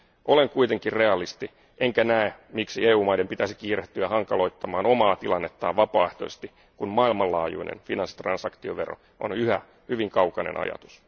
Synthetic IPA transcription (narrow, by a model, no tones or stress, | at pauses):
ʔo̞leŋkuit̪e̞ŋkirreɑlist̪i | ʔeŋkænæemiksieːuːmɑjdempit̪æsi̥kiːreht̪ːyæhɑŋkɑlo̞it̪ːɑmɑːno̞mɑːt̪ilɑnːet̪ːɑːʋɑpɑːeht̪oest̪i | kunmɑilmɑlɑ̰ːjṵinḛnfinɑnsi̥t̪rɑnsɑkt̪ioʋero̰ | ʔo̰nyhæ̰ | hyʋiŋkɑwkɑnḛnɑ̰jɑ̰t̪u̥s